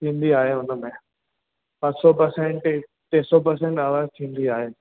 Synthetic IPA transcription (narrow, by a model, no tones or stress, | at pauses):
t̪ʰĩːn̆d̪iaːɦeɦʊnəmẽ | pɐ̃tsɔpəɾsẽɳʈ | t̪ẽːsɔpəɾsẽːɳʈaːʋaːzt̪ʰĩːnd̪iaːɦeː